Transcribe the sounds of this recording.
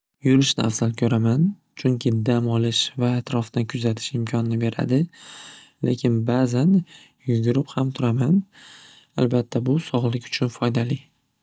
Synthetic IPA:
jʊɾɪʃnɪafsalkʲʰɵɾaman | t͡ʃʰʊŋʲkʲʰɪd̪amɒlɪʃvaːt̪ʰɾɒfd̪ankʲʰʊzat̪ʰɪ̥ʃɪmkʲʰɒnɪnɪbe̞ɾa̰d̪ɪ | le̞̰kʲʰɪnbazan | jʊɡʲʊɾɪphamt̪ʰʊɾaman | a̰lbat̪ʰːabʊsɒʁlˠɪkʲʊ̥t͡ʃʰʊnfɒjd̪alɪ

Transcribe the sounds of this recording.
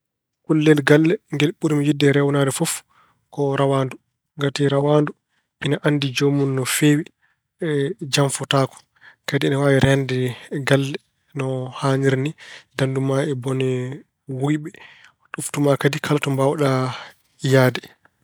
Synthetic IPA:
kulːɛlɡalːɛŋɡɛlɓuɾimijidːɛɾɛwnadɛfɔf | kɔɾawandu | ɡatiɾawandu | ʔinaʔanːdid͡ʒomunːɔfeːwi | ɛd͡ʒamfɔtakɔ̥ | kadiːnawaːwiɾɛndɛɡalːɛ | nɔhaːɲiɾnidandumaɛbɔnɛ | wujɓɛ | ɗuftumakadikʰaltɔmbawɗa | jaːdɛ

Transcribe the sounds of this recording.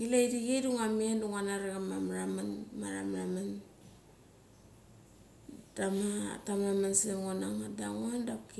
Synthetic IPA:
ilaidiɡiduŋamienduŋanaɾeɡamamɾamanmaɾa̰mɾaman | tamatamamanseŋonaŋadaŋondapk

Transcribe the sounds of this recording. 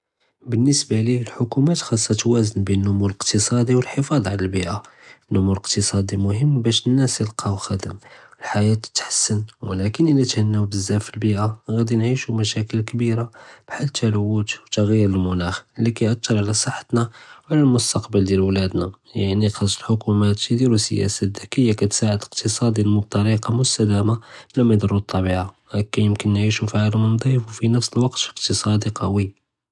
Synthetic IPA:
bənːəsbaliəlħokumæt̪xɑsˤːɑt̪wæzənbinənːʊmuləqt̪əsˤɑd̪iwəlħəfɑd̪ˤʕalælbiʔanːʊmuləqt̪əsˤɑd̪ˤimʊɦəmːbæʃənːæsjəlqʰɑwxæd̪əməlħajæt̪ə̥t̪ːħsːənwəlækənʔinæt̪hənːæwbəzːæfəlbiʔaɣæd̪inʕiʃumæʃækəlkbiɾab̥ħalːt̪ʰæləwːət̪wt̪ɑɣjəɾəlmʊnæxlːikæjʔɑt̪ːɑɾˤʕlæsˤəħːə̥t̪nawʕlælmʊst̪ɑqbəld̪jælwlæd̪na | jaʕnixɑsˤːəlħokumæt̪ːd̪iɾusə̰jæ̰saækəjːakæt̪saʕəd̪əq̚t̪ʰəsˤɑd̪ilmʊt̪ˤːɑɾiqɑmʊst̪æd̪æmablæmæd̪ɑɾˤut̪ˤːɑbiʕa | kæjəmkənːʕiʃufiʕalmənd̪ˤifwfinəfsəlwɑqt̪əqt̪əsˤɑd̪iqɑwi

